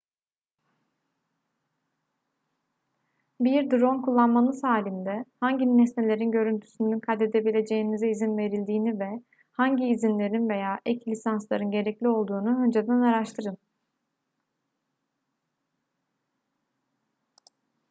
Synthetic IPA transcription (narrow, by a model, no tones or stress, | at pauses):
biɾd̪ɾo̞nkʰulˠːanmanˠɯsaːlʲind̪ɛhaɲɟinːɛsne̞lʲe̞ɾinɟø̞ɾynt̪ʰy̥synynkʰad̪e̞d̪e̞bilʲe̞d͡ʒe̞jinizɛizinve̞ɾilʲd̪iːnivɛ | haɲɟiːzinlʲe̞ɾinve̞jaːʔɛclʲisanslˠaɾɯnɟe̞ɾɛclʲio̞lˠd̪uːnuɦø̞nd͡ʒed̪ænaɾaʃt̪ʰɯɾɯn